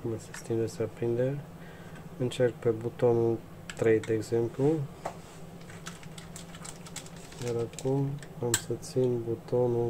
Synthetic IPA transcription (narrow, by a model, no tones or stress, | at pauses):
mase̥st̪imd̪esapɾind̪e | ɨnt͡ʃe̞rk̚pe̞but̪o̞nu | t̪ɾe̞jd̪e̞ːɡze̞mplu | jaɾakum | amsət̪sinbut̪o̞nu